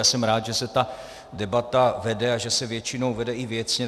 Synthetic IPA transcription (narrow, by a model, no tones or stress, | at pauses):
aːsɛmɾaːt̪ʒɛsɛt̪a | dɛbat̪avɛdɛaʒɛsɛvjɛt͡ʃɪno̞wvɛdɛʔɪvjɛt͡sɲɛ